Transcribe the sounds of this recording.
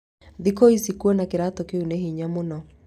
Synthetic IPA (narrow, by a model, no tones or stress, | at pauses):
ðikoisikwɔnakeɾatɔkeuneɦiɲamonɔ